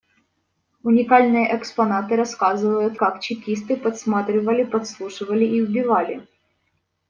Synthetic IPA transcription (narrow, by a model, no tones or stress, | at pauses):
ʊnʲɪkalʲnɨjəʔɛkspɐnat̪ɨɾɐskazɨvəjʊt̪kakt͡ɕɪkʲist̪ɨpɐt̪smat̪ɾʲɪvəlʲɪpɐt̪slˠuʂɨvəlʲɪʔiʊbʲɪvalʲɪ